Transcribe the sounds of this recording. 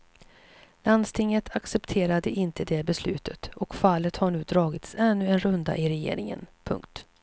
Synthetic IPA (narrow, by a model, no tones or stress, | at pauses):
land̪st̪ʰɪŋːət̪ʰaksɛpt̪ʰeːɾad̪əʔɪnt̪ʰəd̪ɛbɛslʉ̟ːt̪ʰət̪ɔkfalːət̪haɳʉ̟ːd̪ɾɑːɡɪt̪sɛnːɵɛnɾɵnd̪a̰ʔɪɾɛjḛːɾɪŋə̰npʰɵ̰ŋkt̪